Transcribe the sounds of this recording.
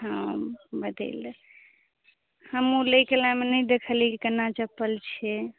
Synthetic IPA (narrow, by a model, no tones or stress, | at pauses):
ɦə̃bəd̪ʱḛl | həmuləjkelamenəjd̪ekʰəlikikənat͡ʃəpəlt͡ʃʰɛ